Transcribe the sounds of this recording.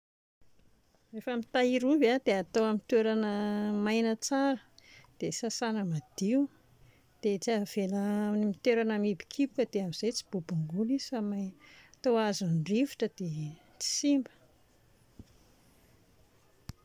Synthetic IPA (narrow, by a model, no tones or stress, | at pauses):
refəmit̪aiɾubad̪̥eat̪oamint̪weɾanəmajnət͡saɾəd̪̥esasanəmad̪̥iu | d̪̥et͡siav̥elanimit̪eɾanamibi̥kʰipkəd̪eamiz̥ejt͡si̥b̥ubuŋɡuliz̥amat̪oazunriviʈ͡ʂəd̪̥e | t͡si̥simbə̥